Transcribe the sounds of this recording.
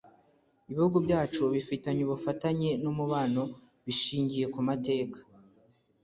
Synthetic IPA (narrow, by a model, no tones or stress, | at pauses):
iβihuɡubɟaːt͡ʃuβifitaɲuβufataɲe̞nomuβaːno̞ | βiʃiːɲɟije̞kumate̞ːkḁ